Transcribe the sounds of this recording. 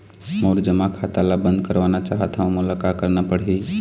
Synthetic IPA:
moɾd͡ʒəmːakʰat̪alabənd̪̚kəɾbanat͡ʃaɦət̪ɦaũmulakakəɾnapəɽɦi

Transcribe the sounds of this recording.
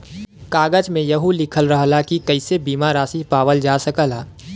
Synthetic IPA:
kaːɡəd͡ʒmẽjɐɦulɪkʰəlɾəɦlakikəɪsebiːmaɾaːsipaːʋəld͡ʒaːsəkəlaː

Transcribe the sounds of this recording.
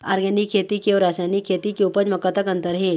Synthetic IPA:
a̰ɾɡɛnikkʰːet̪ikeɾasajnikʰːet̪ikeupəd͡ʒməkət̪əkənt̪əɾɦe

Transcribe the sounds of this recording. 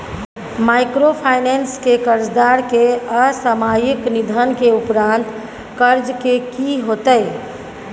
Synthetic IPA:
maːɪkɾopʰaːɪnenskekəɾd͡ʒd̪aːɾkeəsəmaːjɪknid̪ʱənkeʊpɾãnt̪ | kəɾd͡ʒkekiɦot̪əj

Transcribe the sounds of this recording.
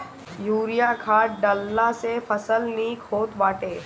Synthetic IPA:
juːɾijakʰaːʈɖəlːasefəsəlniːkɦoːt̪ʋaːʈeː

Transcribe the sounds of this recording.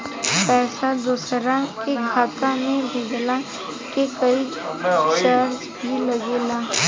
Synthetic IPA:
pɛːsad̪ʊsɾakekʰaːt̪ãmẽbʱeɡla | kekɐi | t͡ʃəɾ | bʱilɐɡeːlaː

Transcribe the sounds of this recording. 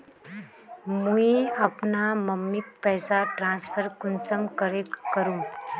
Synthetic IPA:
mũiɐpnamɐmːɪk̚pɛːsaʈɾãːspʰəɾkʊnsəmkəɾekkːəɾũː

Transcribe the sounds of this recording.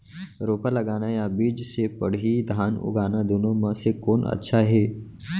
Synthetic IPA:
ɾopələɡanajabiːd͡ʒsepəɽ̤iːd̪ʱanṵɡanad̪unoməsekonə̰tːɕʰaɦe

